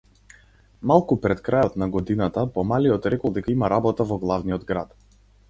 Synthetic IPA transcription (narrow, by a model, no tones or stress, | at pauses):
malˠkupɾɛt̪kɾajɔt̪naɡɔd̪inat̪apɔmaliɔt̪ɾɛkɔlˠd̪ɛkaimaɾabɔt̪avɔɡlˠavniɔd̪ɡɾat̪